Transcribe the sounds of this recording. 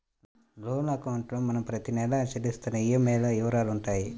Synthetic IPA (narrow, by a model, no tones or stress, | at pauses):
loːnɐkɐwɳʈlɐmːɐnɐmpɾɐt̪inɛlɐːt͡ʃɐlist̪ɐnɐijɐmeːlɐɛʋɐɾaːluɳʈaːji